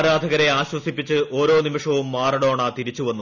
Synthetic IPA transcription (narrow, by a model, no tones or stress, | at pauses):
ɾaːd̪ʱɐɣɐɾe̞aːɕwɐsipːit͡ɕːɨʔo̞ːɾo̞ːnimiʂɐʋumːaːrɐɽo̞ːɳaːt̪iɾit͡ɕːuʋɐnːu